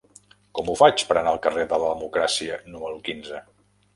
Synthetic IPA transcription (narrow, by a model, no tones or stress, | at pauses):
kɔmufat͡ʃpəɾənaəlˠkəreðələðəmukɾasiənuməɾukinzə